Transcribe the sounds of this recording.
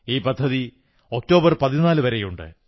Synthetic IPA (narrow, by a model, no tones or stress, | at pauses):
iːpɐd̪ʱːɐði | ok̚to̞ːbɐrpɐðinaːlɨʋɐɾejuɳɖɨ̰